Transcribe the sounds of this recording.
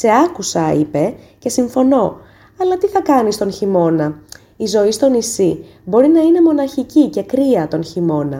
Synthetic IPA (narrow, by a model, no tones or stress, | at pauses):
se̞ɐkusɐipe̞ | ce̞siɱfo̞no̞ | ɐlɐt̪iθɐkɐnist̪o̞nçimo̞nɐ | izo̞ist̪o̞nisibo̞ɾinɐine̞mo̞nɐçicice̞kɾiɐt̪o̞nçimo̞nɐ̰